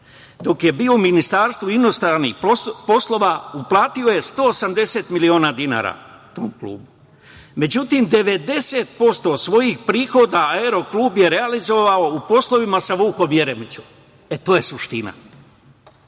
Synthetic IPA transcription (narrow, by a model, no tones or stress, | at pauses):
d̪o̞kje̞biːouminist̪aːɾst̪ʋuino̞st̪ɾanixpo̞slˠo̞ʋauplˠaːt̪io̞je̞st̪o̞ːsamd̪e̞se̞t̪milio̞ːnaːd̪ina̰ːɾa̰ | t̪o̞̰ːmklṵːbu | me̞d͡ʑut̪imd̪e̞ʋe̞d̪e̞se̞t̪̚po̞st̪o̞sʋo̞jixpɾiːxo̞d̪aaeɾo̞kluːbje̞ɾe̞alizo̞ʋao̞upo̞slˠo̞ʋimasaʋuːko̞mje̞ɾe̞mit͡ɕum | e̞t̪oːje̞suʃt̪ina̰